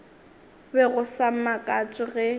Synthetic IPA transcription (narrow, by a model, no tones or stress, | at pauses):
bɛɣʊsam̩makʼat͡ʃʼɪɣɛ